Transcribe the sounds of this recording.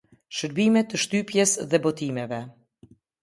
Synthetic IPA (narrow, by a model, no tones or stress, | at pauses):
ʃəɾbimɛt̪ːəʃt̪ypjɛsðɛbɔt̪imɛvɛ